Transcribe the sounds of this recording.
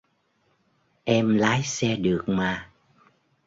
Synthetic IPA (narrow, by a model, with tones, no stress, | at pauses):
ʔɛ˧mlaː˨˦jsɛ˧ɗɨ˨˩ək̚maː˨˩